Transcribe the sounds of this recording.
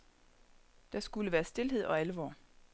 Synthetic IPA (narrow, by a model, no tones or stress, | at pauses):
d̥ɑ̈sɡ̥uləʋæːɐsd̥e̝lɦe̝ð̞̰ˠɒ̽ælʋɒ̰ː